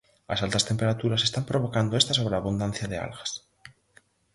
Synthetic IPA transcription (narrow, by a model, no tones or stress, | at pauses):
lasalt̪ast̪e̞mpe̞ɾat̪uɾase̞st̪ampɾo̞β̞o̞kand̪oest̪aso̞β̞ɾeaβund̪an̟θjaðea̰lɣḁs